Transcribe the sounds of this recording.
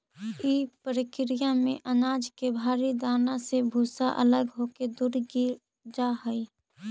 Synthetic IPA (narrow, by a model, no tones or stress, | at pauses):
iːpəɾɪkɾijamḛ̃ʔənaːd͡ʒkebʱaːɾid̪aːnasebʱuːsaʔə̰ləɡɦoːked̪ʊɾɡiɾ | d͡ʒaɦəi